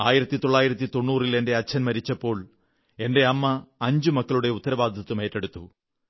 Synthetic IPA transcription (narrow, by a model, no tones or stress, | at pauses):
aːjiɾɐt̪ːit̪o̞ɭːaːjiɾɐt̪̬ːit̪o̞ɳːuːrile̞nde̞ɐt͡ɕʰːɐnmɐɾit͡ɕːɐpːo̞ːɭ | e̞nde̞ɐmːɐːɲd͡ʑumɐkːɐɭuɽe̞ut̪ːɐɾɐʋaːd̪ʱɐt̪ːume̞ːtːeɽut̪ːu